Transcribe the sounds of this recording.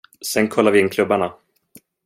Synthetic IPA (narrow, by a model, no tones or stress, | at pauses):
sɛnkʰɔlːaɾvɪɪnːkʰlɵbːaɳa